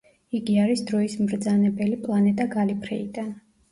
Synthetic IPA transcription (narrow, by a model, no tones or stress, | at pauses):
iɡiaɾisd̪ɾɔismɾd̪zanɛbɛlipʼlˠanɛt̪ʼaɡalipʰɾɛid̪an